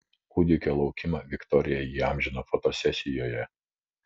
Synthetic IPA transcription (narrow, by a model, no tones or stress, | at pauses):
kʊd̪ʲɪkʲoːlˠɒʊkʲɪmɐʋʲɪkt̪ɔɾʲɪjɛjiːɑˑmʲʒʲɪnofɔt̪ɔsʲɛsʲɪjoːjɛ